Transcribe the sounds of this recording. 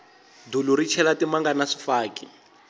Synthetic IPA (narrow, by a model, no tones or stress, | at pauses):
duluɾit͡ʃʰɛlatimaŋɡanaʂi̥faːkḭ